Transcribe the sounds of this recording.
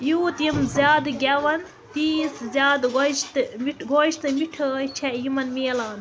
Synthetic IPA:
juːt̪imzʲaːd̪ɡʲɐʋɐn | t̪iːszʲjaːd̪ɡoʃt̪ɨmiʈɡʱoiʃt̪ɨmiʈʰət͡ʃʰɛjimɐnmeːlaːn

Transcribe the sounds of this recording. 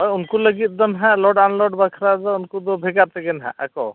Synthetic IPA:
ɦɔjʊnkuləɡit̪̚d̪ɔnɦãlɔɖanlɔɖbakʰɾad͡ʒɔʊnkud̪ɔbʱɛɡaɾt̪ɛɡɛnɦã̰ʔɛ̰kɔ

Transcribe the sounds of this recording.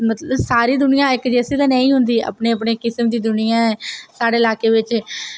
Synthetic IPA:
mət̪ləsaːɾiːd̪ʊnɪjãːɪkd͡ʒɛːsiːt̪ãːnɛ̃ːĩːɦʊnd̪iːa̰ːpneːəp̬ɳeːkɪsəmd̪iːd̪ʊnɪjãːɛːsaːɖeːɪlaːkeːʋɪt͡ʃ

